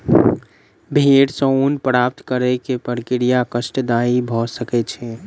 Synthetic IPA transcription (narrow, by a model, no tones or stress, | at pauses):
bʱeːɽsəunpɾaːp̚t̪kəɾekepəɽkɪɾijakəʃʈəd̪aːibʱɔsəket͡ʃʰɛ